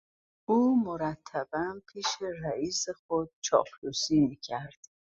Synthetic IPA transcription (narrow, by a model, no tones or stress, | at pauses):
uːmoɾæt̪ʰːæbænpʰiːʃeræiːsexod̪̥̚t͡ʃʰɒ̰ːflusiːmiːcʰæɾd̪̥